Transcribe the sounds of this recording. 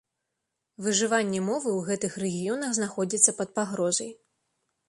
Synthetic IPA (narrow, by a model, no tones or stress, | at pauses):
vɨʐɨvanʲːɛmɔvɨwɣɛt̪ɨxrɛɣʲijɔnɐɣznaxɔd͡zʲit̪sːɐpɐt̪̚paɣɾɔzɐj